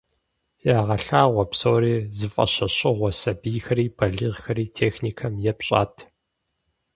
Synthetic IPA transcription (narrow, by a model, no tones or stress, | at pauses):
jaːʁɐɬaːʁʷɔpsoːɾiːzɨfʼɐ̰ɕɐɕʼɪʁʷɔsɐbiːxɐɾiːbʰɐɮiːʁxɐɾiːtʰeːxniːkʰɐmjɛpɕʼa̰ːtʰ